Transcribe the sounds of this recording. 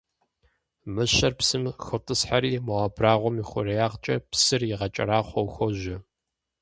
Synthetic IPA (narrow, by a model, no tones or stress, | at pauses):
mɨɕɐrpsɨmxɨtʼɨsħaɾiːmɐʁabraːʁʷɔmiχʷʊrɐjaːʁt͡ʃʼɐpsɨrjɪʁɐt͡ʃʼɐ̰ɾaːχʷɔwxʷɔʒɪ